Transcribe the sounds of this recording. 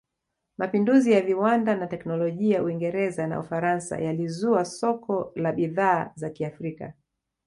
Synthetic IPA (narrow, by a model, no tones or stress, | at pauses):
mapinduzijaviwandanatɛknɔlɔʄijauiŋɡɛɾɛzana̰ufaɾansa̰jalizuasɔkʰɔlaɓiðaːzakiafɾika̰